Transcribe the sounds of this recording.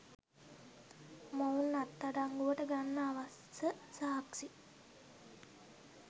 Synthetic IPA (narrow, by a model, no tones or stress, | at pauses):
mounːat̪ːaɖaŋɡuʋəʈəɡanːəːʋas | səsaɦaksi